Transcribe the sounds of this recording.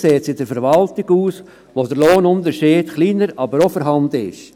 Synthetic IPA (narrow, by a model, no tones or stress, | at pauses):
seːt͡sɪd̥əɾfəɾʋɑltɪɡuːs | ʋodəɾloːnʊndəʃiːdχliːnəɾɑbəɾofɔɾɦɑndəɪ̰ʃ